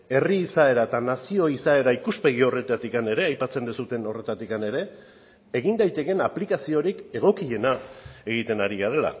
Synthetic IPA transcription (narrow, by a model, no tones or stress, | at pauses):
e̞riːsae̞ɾaet̪anasio̞isae̞ɾaikuspe̞ɣ̞io̞re̞t̪at̪ikane̞ɾe̞ajpat͡se̞nd̪isut̪e̞no̞re̞t̪at̪ikane̞ɾe̞ː | ɣind̪ajt̪e̞ke̞naplikasio̞ɾike̞ɣ̞o̞kie̞nae̞ɣit̪e̞naɾiɣaɾe̞la̰